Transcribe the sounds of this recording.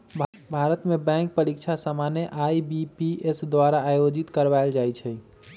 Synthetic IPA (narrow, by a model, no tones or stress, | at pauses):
bʱaɾət̪mebɛ̃ŋk̚pəɾikt͡ʃʰasəmaneʔaibipiesd̪waɾaːjod͡ʒit̪kəɾʋaeld͡ʒajt͡ʃʰɛ